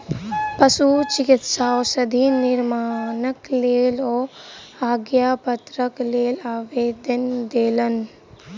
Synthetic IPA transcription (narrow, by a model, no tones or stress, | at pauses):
pɐsut͡ʃikit̪saːɔsɐd̪ʱinɪɾmaːnəkleːlɔːaːɡjaːpɐt̪ɾəkleːlaːʋeːd̪ɐnd̪eːlɐn